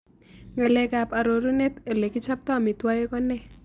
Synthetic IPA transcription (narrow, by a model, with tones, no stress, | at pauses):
ŋɛ˨lɛ˨ka˨pa˨ɾo˨ɾu˦ne˦ta˨le˨kɪ˦t͡ʃa˦p̚tɔ˦˨mi˨twa˦je˦kɔ˦nɛ˦